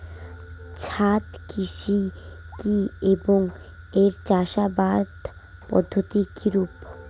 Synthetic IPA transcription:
t͡ɕʰat̪kʰiʃi | kieboŋ | eɾt͡ɕaʃabaɾd̪ʱ | pɔ̰d̪ʱːot̪ikʰiɾup

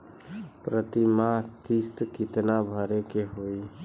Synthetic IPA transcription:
pɾət̪imat̪ist̪kit̪nabʱəɾekeɦoi

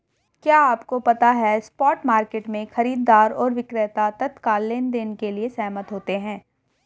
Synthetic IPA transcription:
kjaːaːpkopɐt̪aɦɛspɔːʈmaːɾkeːʈmẽxɐɾiːd̪ːaːɾɔːɾʋɪkɾet̪at̪ɐt̪kaːlːeːnd̪eːnekeliesɛːmət̪ɦoːt̪eɦɛ̃ː

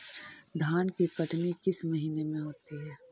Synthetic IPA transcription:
d̪ʱaːnkikɐʈnikɪsmɐɦiːnemẽɦoːt̪iɦɛː

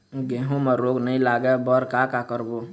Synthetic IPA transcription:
ɡeɦõməɾoːɡnəɦĩlaːɡɛbəɾkakakəɾbo

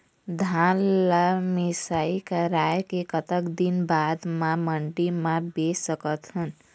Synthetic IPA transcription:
d̪ʱanlamisaikəɾaekekʌt̪əkd̪inbad̪maməɳɖimabesʌkət̪ɦun

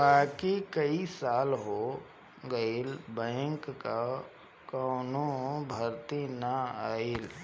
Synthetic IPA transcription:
baːkikɐisaːlɦo | ɡɐilbɛ̃ːŋkːa | kɔːnõbʱɐɾt̪inɐaːil

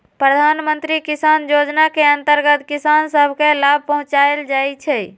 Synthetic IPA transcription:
pɾəd̪ʱanmənt̪ɾikisanjod͡ʒnakeənt̪əɾɡət̪kisansəbʱkelab̚ʱpəɦũt͡ʃaeld͡ʒajt͡ʃʰɛ

